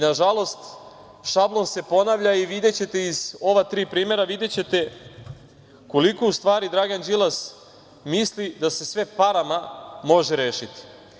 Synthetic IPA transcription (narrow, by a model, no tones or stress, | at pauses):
naʒalˠo̞st̪ | ʃablˠo̞nse̞po̞naʋʎaiʋid̪e̞t͡ɕe̞t̪e̞izo̞ʋat̪ɾiːpɾiːme̞ɾaʋid̪e̞t͡ɕe̞t̪e̞ | ko̞likoust̪ʋaːɾid̪ɾaːɡand͡ʒilˠas | mislid̪ase̞sʋe̞paɾamamo̞ʒeɾeːʃit̪i̥